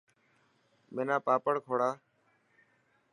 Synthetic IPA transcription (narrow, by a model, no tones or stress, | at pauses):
meːnãːpaːpəɳkʰoːɽaː